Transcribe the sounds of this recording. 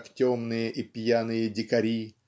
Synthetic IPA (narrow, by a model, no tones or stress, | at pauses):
ktʲomnɨjəʔipʲjanɨjədʲɪkɐɾʲi